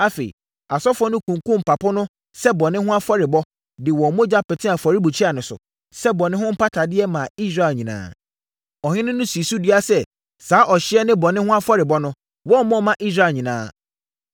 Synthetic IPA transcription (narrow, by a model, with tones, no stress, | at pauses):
a˦fe˨ḭ˨ | a˨sɔ˦fɔ˦nʊ̃˦kʰũ˨ŋ˨kũ˦m̩˨pʰa˨pʊ˦nʊ̃˦ | sɛ˦bɔ˨nɪ̃˦hʊ̃˦a˦fɔ˦ɾɪ˨bɔ˦ | dɪ˨wɔ˨mõ˦d͡ʑa˦pɛ˨tʰɪ̃˦a˨fɔ˨ɾi˦bu˨t͡ɕʰi˦a˨nʊ̃˨sʊ̰˨ | sɛ˦bɔ˨nɪ̃˦hʊ̃˦m̩˦pʰa˦tʰa˨dɪ˦ɛ˦mã˨i˦sɾa˦˨ɲĩ˨nã̰ː˨ | ɔ˨hɪ̃˦nʊ̃˦nʊ̃˦si˨su˦di˦a˦sɛ˦ | saː˨˦ʔɔ˨ɕɪ˦ɛ˦nɪ̃˦bɔ˨nɪ̃˦hʊ̃˦a˦fɔ˦ɾɪ˨bɔ˦nʊ̃˦ | wɔ˦˨mɔ̃˦˨mã˨ʔi˦s̬ɾa˦˨ɲĩ˨nã̰ː˦